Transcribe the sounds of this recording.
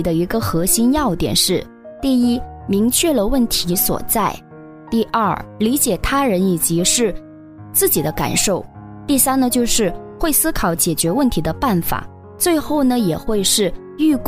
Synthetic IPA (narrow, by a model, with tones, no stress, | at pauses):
d̪ə˧i˧˥ɡə˧xɤ˧˥ɕi˥njɑ˥˧ʊt̪jɛ̰˨˩nʂɻ̩˥˩ | t̪i˥˩i˥mi˧˥ŋt͡ɕʰɥɛ˥˩lə˨wə˥˩nt̪ʰi˧˥swɔ̰˨˩t͡sa˥˩ɪ | t̪i˥˩ʔɐ˥˩li˧˥t͡ɕjɛ˨˩t̪ʰa˥ɻə˧˥ni˨˩t͡ɕi˧˥ʂɻ̩˥˧ | t͡sɹ̩˥˩t͡ɕi˨˩d̪ə˦ka̰˨˩nʂo˥˩ʊ | t̪i˥˩sa˥nd̪ə˨t͡ɕjo˥˧ʊʂɻ̩˥˧xwe˥˩ɪsɹ̩˥kʰɑ˧˩˥ʊt͡ɕjɛ˨˩t͡ɕɥɛ˧˥wə˥˩nt̪ʰi˧˥d̪ə˧pa˥˩nfa̰˨˩˦ | t͡swe˥˧ɪxo˥˩ʊnə˩jɛ˨˩xwe˥˧ɪʂɻ̩˥˧ | y˥˧k